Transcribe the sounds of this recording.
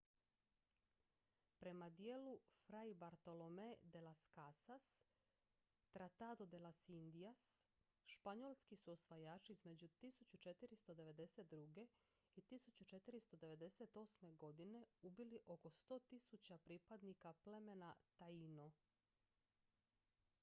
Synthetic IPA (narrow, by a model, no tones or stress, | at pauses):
pɾe̞mad̪jeːlufɾaibaɾt̪o̞lome̞d̪e̞laskasas | t̪ɾat̪ad̪od̪e̞lasind̪ias | ʃpaɲo̞lˠskisuo̞sʋajaːt͡ʃiizme̞d͡ʑut̪isut͡ɕut͡ʃe̞t̪iɾist̪o̞d̪e̞ʋe̞d̪e̞set̪̚d̪ɾuɡe̞ | it̪isut͡ɕut͡ʃe̞t̪iɾist̪o̞d̪e̞ʋe̞d̪e̞se̞t̪o̞ːsme̞ɡo̞d̪ine̞ubiliʔo̞ko̞st̪o̞ːt̪isut͡ɕapɾipad̪nikaple̞me̞nat̪aino